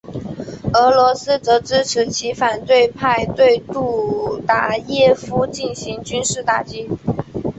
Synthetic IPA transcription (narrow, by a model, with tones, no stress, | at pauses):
ɤ˧˥lwɔ˧˥sɹ̩˥t͡sɤ˧˥ʈ͡ʂɻ̩˥ʈ͡ʂʰɻ̩˧˥t͡ɕʰi˧˥fa˨˩nt̪we˥˧ɪpʰa˥˧ɪt̪we˥˧ɪt̪u˥˩t̪a˥˩jɛ˥˩fu˥t͡ɕi˥˩nɕi˧˥ŋt͡ɕy˥nʂɻ̩˥˧t̪a˥˩t͡ɕi˥